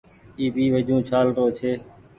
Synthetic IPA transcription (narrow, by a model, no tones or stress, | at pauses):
iːbiːʋəd͡ʒũːt͡ʃʰaːlɾoːt͡ʃʰeː